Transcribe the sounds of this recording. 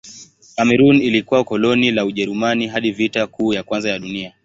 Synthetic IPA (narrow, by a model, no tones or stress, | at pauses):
kamɛɾunilikuwakɔlɔnilauʄɛɾumaniɦaɗivitakuːjakwanzajaɗunia